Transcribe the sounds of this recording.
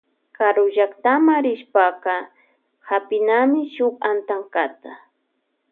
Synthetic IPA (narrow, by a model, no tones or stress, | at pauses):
kaɾʊʒakt̪amaɾɪʃpaqɑ | hapɪnamɪʃʊkant̪aŋkat̪a